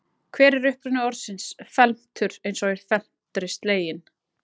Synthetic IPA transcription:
kʰvɛːɾɛɾʏhpɾʏnːʏɔɾsɪnsfɛlm̥t̪ʰʏɾ̥ejnsɔɪɾ̥fɛl̥t̪ɾɪst̪leːjɪn

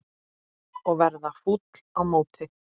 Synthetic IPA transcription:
ɔɣvɛɾðafut̪l̥awmoːwt̪ɪ

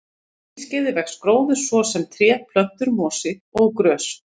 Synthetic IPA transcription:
scɪðɪvɛxskɾoːwðʏ̥svɔsɛmt̪ʰɾjɛːpʰlœn̥t̪ʏɾmɔːsɪɔɣkɾœːs

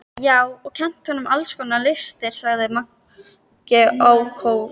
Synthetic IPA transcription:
jaːwɔɣkcʰɛn̥t̪hɔnːʏmalskɔnalɪst̪ɪɾ̥saɣðɪma | cɛowkʰow

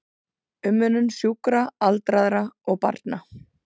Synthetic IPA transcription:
ʏmːʏnʏnsjuːkɾaalt̪ɾaðɾaɔɣpa̰ɾt̪na

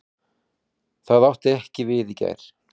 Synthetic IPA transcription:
θaðawht̪ɪɛhcɪvɪðica̰jɾ̥

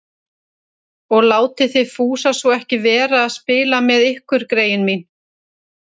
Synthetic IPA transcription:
ɔɣlaːwt̪ɪθɪðfuːsasɔɛhcɪvɛːɾaːðspɪːlamɛðɪhkvʏɾ̥kɾeːjʏnmin

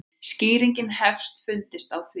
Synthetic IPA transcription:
sciːɾiɲcɪnhɛfst̪fʏnt̪ɪst̪awθv

